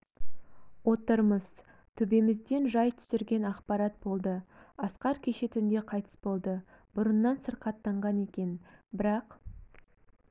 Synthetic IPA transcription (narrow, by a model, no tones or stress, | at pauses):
wo̞t̪əɾməz̥ | t̪ʰʏbe̞mɪzd̪e̞nʒɑjt̪ʰʏ̥sɪɾɡʲe̞nɑqpɑɾɑt̪̚bo̞lˠd̪əɑsqɑɾkʲʰe̞ʃe̞t̪ʰʏnd̪e̞qʰɑjt̪ʰə̥sbo̞lˠd̪ə | b̥ʊɾənːɑnsəɾqɑt̪ːɑɴʁɑne̞kʲe̞nbɪɾɑq